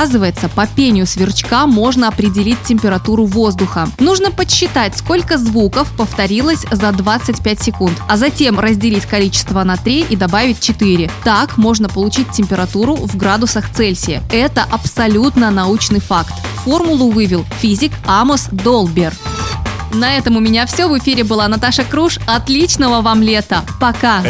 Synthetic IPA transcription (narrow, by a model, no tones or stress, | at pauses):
zɨvəjɪt̪səpəpʲenʲɪjʊsvʲɪrt͡ɕkamːo̞ʐnəɐpɾʲɪdʲɪlʲit̚ʲtʲːɪmʲpʲɪɾɐt̪uɾʊvo̞zd̪ʊxənuʐnəpəɕːɪt̪atʲsko̞lʲkəzvukəfpəft̪ɐɾʲilˠəsʲzɐd̪vat̪sɨtʲpʲætʲsʲɪkunt̪ɐzɐtʲe̞mrəzʲdʲɪlʲitʲkɐlʲit͡ɕɪ̥st̪vənat̪ɾʲiʔid̪ɐbavʲɪt̚ʲt͡ɕɪt̪ɨɾʲɪt̪akmo̞ʐnəpəlˠʊt͡ɕit̚ʲtʲɪmʲpʲɪɾɐt̪uɾʊvɡɾad̪ʊsəxt̪sɛlʲsʲɪjə̰ɛt̪əʔɐpsɐlʲut̪nənɐut͡ɕnɨjfakt̪fo̞rmʊlˠʊvɨvʲɪlˠfʲizʲɪkamʊsd̪olˠbʲɪr | nɐɛt̪əmʊmʲɪnʲafsʲɵvɨfʲiɾʲɪbɨlˠanɐt̪aʂəkɾuʂɐt̪lʲit͡ɕnəvəvamlʲe̞t̪əpɐka